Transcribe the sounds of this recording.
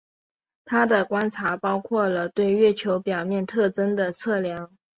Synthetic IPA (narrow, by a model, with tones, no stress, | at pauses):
t̪ʰa˥d̪ə˨kwa˥nt͡sʰa˧˥pɑ˥ʊkʰwɔ˥˩lə˩t̪we˥˧ɪɥɛ˥˩t͡ɕʰjo˧˥ʊpjɑ˨˩ʊmjɛ˥˧nt̪ʰɤ˥˩ʈ͡ʂə˥nd̪ə˨t͡sʰɤ˥˩ljɑ˧˥ŋ